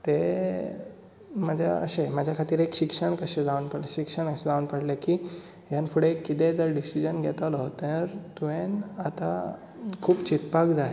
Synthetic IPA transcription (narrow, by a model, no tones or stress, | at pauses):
t̪e | məd͡ʑʱja̰ə̰ɕeməd͡ʑʱjakʰat̪iːɾekɕikʂəɳkəɕed͡zaunpəɽeɕikʂəɳkəɕed͡zaʋunpəɽlekiː | ɦjanfuɽekːit̪ẽd͡zəɾɖisid͡ʑənɡʱɛt̪alɔt̪eɾt̪uenat̪a | kʰuːpt͡ɕit̪pakd͡zae